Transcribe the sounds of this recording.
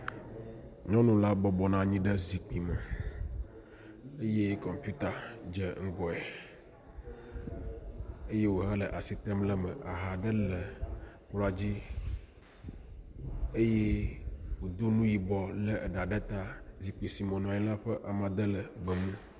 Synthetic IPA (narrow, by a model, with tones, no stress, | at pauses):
ɲɔ̃˦nũ˨la˦bɔ˨bɔ˨nã˨ɲĩ˦ɖə˦zi˨k͡pi˨mə˨ | e˦je˦kɔ̃˨mpju˦t̪a˨d͡ʒe˨ŋ̩˦ɡɔ˨ɛ˨ | e˦je˦wo˨ɦə˦lə˨ʔa˨si˨t̪ɛ˦mlə˦mə˨ʔa˨ɦa˨ɖə˦lə˨ | k͡pla˨d͡ʑi˦ | e˦je˦wo˨d̪o˦nũ˦ji˨bɔ˨lə˦˨ɖa˨ɖə˦t̪a˦zi˨k͡pi˨si˨mõ˨nũ˨a˨ɲĩ˦la˦ɸə˦ʔa˨mã˨d̪ə˦lə˨ɡ͡bə˨mũ˦